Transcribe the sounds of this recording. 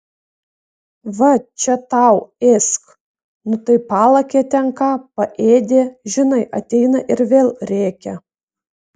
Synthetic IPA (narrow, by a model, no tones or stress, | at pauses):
ʋɐt͡ʃʲɛt̪ɑˑʊesk | nʊt̪ɐɪpɑːlˠɐkʲeːt̪ʲɛnkɑːpɐʔeːd̪ʲeːʒʲɪnɐɪʔɐt̪ʲɛɪnɐʔɪɾʋʲeːlˠɾʲæːkʲɛ